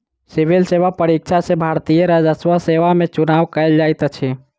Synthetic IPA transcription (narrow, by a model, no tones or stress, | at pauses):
sɪʋilseʋapəɾik̚t͡ʃʰasebʱaɾt̪ijəɾad͡ʒəsʋaseʋamẽt͡ʃʊnaːʋkəld͡ʒaːjt̪ət͡ʃʰe